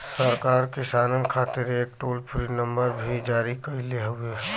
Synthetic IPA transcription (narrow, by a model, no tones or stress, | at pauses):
səɾkaːɾkɪsaːnənkʰaːt̪ɪɾeːk̚ʈoːlpʰɾinə̃mbəɾbʱid͡ʒaːɾikɐileɦʊe